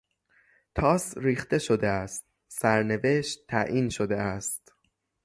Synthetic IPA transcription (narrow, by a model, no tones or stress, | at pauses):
t̪ʰɒːsɾiːxt̪e̞ʃod̪eæst̪̚ | sæɾne̞ve̞ʃt̪ʰːæʔiːnʃod̪e̞æst̪